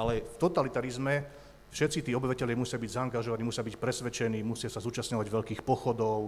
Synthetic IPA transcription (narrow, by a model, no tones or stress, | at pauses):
alɛft̪ɔt̪alit̪aɾizmɛ | fʃɛt̪sit̪iːɔbiʋacɛʎɪamusɪabiɟzaːŋɡaʒɔʋaniːusɪjabicpɾɛsʋɛt͡ʃɛniːmusɪasazuːt͡ʃastɲɔʋaɟʋɛʎkiːxpɔxɔd̪ɔʊ